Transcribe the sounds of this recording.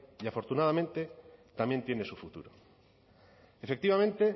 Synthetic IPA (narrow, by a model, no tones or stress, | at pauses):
iafo̞ɾt̪unaðamẽnt̪et̪amje̞nt̪je̞ne̞sufut̪ṵɾo | efek̚t̪iβamẽnt̪e̞